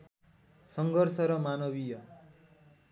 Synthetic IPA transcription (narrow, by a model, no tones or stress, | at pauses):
sʌŋɡʌrsʌɾʌmanʌbijʌ